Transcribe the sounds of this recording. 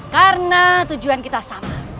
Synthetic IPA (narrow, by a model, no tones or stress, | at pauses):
karənat̪ud͡ʒuankit̪asama